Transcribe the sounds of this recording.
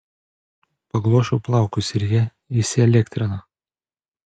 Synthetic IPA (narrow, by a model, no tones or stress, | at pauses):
pɐɡlˠuɔʃʲuplˠɑˑʊkʊsʲɪɾʲjɛ | isʲɪɛlʲɛkʲt̪ʲɾʲɪnɐ